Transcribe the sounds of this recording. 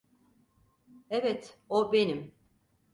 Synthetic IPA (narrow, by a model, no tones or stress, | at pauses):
ɛvɛt̪obenim